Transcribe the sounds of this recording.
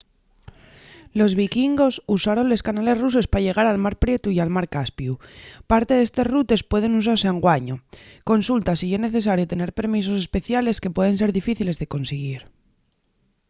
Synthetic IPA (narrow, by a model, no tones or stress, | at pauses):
lo̞zβ̞ikiŋɡo̞susaɾo̞nle̞skanale̞zruse̞spaʝe̞ɣ̞aɾalmaɾpɾje̞t̪uialmaɾkaspjupaɾt̪eðe̞st̪e̞zrut̪e̞spwe̞ð̞e̞nus̬aɾse̞aŋɡwaɲoko̞nsult̪asiezne̞θe̞s̬aɾjo̞t̪e̞ne̞ɾpe̞ɾmis̬o̞se̞spe̞θjale̞ske̞pwe̞ð̞e̞ns̬e̞ɾðifiθile̞zðe̞ko̞nseɣ̞iɾ